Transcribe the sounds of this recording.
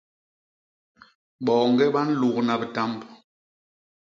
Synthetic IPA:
ɓɔ˨ŋ̩˦ɡɛ˦ɓa˦n̩˦lu˨kna˨bɛ˨ta˦mb

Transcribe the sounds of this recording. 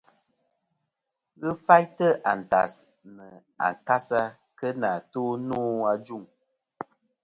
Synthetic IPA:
ɣɨ˦fa˦jtə˦ʔa˨n̩˨ta̰˨s | nə˨ | a̰˨ŋ˨ka˦sa˦ | kə˦na˨toː˦nuː˦a˦d͡ʒu˦˨ŋ

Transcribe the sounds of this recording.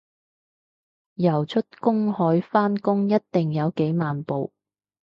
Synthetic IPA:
jɐ˨˩wt͡ʃʰɵ˥t̚kʊ˥ŋhɔː˨˥jfaː˥nkʊ˥ŋjɐ˥t̚t̪ɪ˨˩ŋjɐ˨˧wke˨˥jmaː˨npo˨w

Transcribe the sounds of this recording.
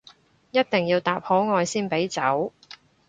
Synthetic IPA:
jɐ˥t̚t̪ɪ˨ŋjiː˧wt̪aː˨p̚hɔː˨˥ŋɔː˧jsiː˥npe˨˥jt͡sɐ˨˥w

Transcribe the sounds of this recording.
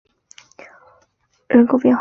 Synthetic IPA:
ɻə˧˥nkʰo˧ʊpjɛ˥˧nx

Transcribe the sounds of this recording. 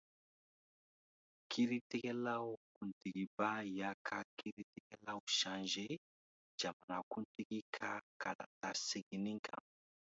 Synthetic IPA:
kʰi˦ɾi˦ti˦ke˦la˦u˦ku˨ndi˨ki˨ba˦ja˨kʰa˨ki˦ɾi˦ti˦kɛ˦la˦u˨ʃa˨nʒe˦ | d͡ʒa˨ma˨na˨ku˦nti˦ki˦kʰa˦ka˨la̰˨ta˨si˦ɡi˨ni˦ŋka̰˨

